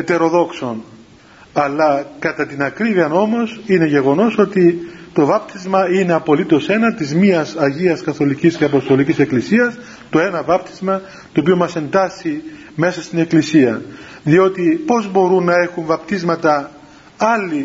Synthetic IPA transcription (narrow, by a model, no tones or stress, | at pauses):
et̪e̞ɾo̞ðo̞kso̞n | ɐlːɐkɐt̪ɐt̪inɐkɾiviɐno̞mo̞sine̞ʝe̞ɣo̞no̞so̞t̪it̪o̞vɐp̚t̪izmɐine̞ɐpo̞lit̪o̞se̞nɐt̪izmiɐsɐʝiɐskɐθo̞licisceɐpo̞st̪o̞licise̞klisiɐs | t̪o̞e̞nɐvɐp̚t̪i̥zmɐ | t̪oːpio̞mɐse̞nd̪ɐsi | me̞sɐst̪ine̞klisiɐ | ðio̞t̪ipo̞zbo̞ɾunːɐe̞xuɱvɐpt̪izmɐt̪ɐ | ɐlːi